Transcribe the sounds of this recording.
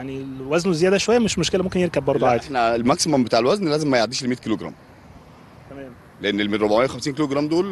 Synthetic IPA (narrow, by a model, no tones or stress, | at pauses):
jaʕniwæznezːejæːd̪æʃowæjːæmeʃmoʃkelæmomkenjeɾkæbbɑɾˤd̪ˤoʕaːd̪inælmæksimombet̪aːʕelwæznlæːzemːæjoʕd̪iːʃelmiːkiːloɡɾˤɑ̰ːm | t̪æmæːm | leʔenːelmenɾobaʕmejːæxæmsiːnkiːloɡɾæːmd̪oːl